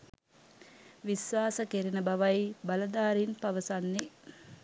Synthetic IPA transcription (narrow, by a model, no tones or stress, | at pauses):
ʋisʋaːsəkeɾinəbaʋajbaləd̪aːɾinpaʋəsanːe